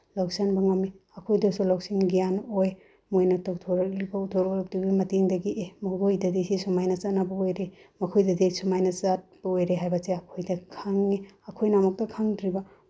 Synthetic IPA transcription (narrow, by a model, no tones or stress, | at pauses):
lawsanbɐŋɐmi | ɐkʰojdɐsulawsiŋɡijanoj | mojnɐtawtʰoɾɐklibɐutʰoɾlɐp̚dibimɐtiŋdɐɡiʔemɐɡojdɐdisisumajnɐt͡ʃat̚nabɐojɾemɐkʰojdɐdisumajnɐzat̚b̥ɐojɾeɦajbɐseɐkʰojdɐkʰaŋiɐkʰojnamɐk̚tɐkʰaŋdɾibɐ